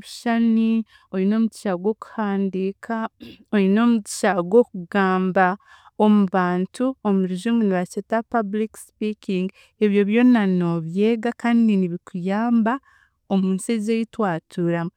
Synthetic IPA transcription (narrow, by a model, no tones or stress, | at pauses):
βuʃani | oɾino̞ːmuci̥ʃaɡwo̞ku̥haːndiːkʰao̞ɾino̞ːmuti̥ʃaɡwo̞kuɡaːmba | omuβaːntʰuomuɾiʒumuniβat͡ʃetapablikspikiŋɡ | eβjo̞βjo̞nano̞βje̞ːɡakaːndiniβikujaːmba | o̞muːnsezejitwaːtʰuɾamo